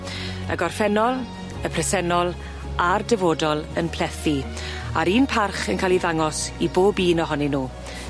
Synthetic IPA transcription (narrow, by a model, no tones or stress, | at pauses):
ə̰ɡɔrfɛnɔlˠ | əpʰrɛsɛnɔlˠ | ardɛvoːdɔlˠənpʰl̥ɛθi | a̰ɾiːnpʰarχənkʰaːliðaŋɔsiboːbiːnɔɦɔninuː